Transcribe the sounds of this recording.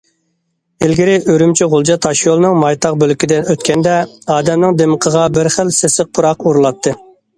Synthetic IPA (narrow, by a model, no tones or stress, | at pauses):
ɪlɡʲiɾɪʔøɾymt͡ʃʰiʁʊlˠd͡ʒɑt̪ʰɑʃjolˠnɨŋmɑjt̪ʰɑq̚bølkʲid̪ɪnøt̪̚kʲɛnd̪ɛɑːd̪ɛmnɪŋd̪eməqʰəʁɑbɪɾχəlsesɪq̚pʰʊɾɑquɾulˠɑt̪ʰːɨ